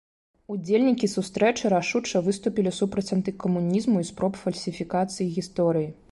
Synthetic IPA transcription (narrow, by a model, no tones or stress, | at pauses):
ud͡zʲelʲnʲikʲisust̪ɾɛt͡ʂɨɾaʂut͡ʂɐvɨst̪upʲilʲisupɾɐt͡sʲɐnt̪ɨkɐmunʲizmuispɾɔpfɐlʲsʲifʲikat̪sɨjiɣʲist̪ɔɾɨji